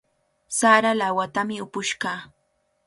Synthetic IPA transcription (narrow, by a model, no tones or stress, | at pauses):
saɾalawat̪amɪʊpʊʃɢɑː